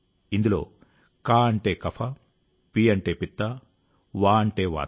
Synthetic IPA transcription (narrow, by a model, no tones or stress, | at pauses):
ind̪ulo̰ː | kaːɐɳʈeːkɐpʰɐ | piːɐɳʈeːpit̪ːɐ | ʋaːɐɳʈeːʋa̰ː